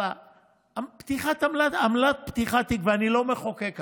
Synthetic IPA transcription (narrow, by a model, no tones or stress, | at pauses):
a | pt̪iχat̪amlat̪amlat̪̚pt̪iχat̪ikveanilo̞meχokek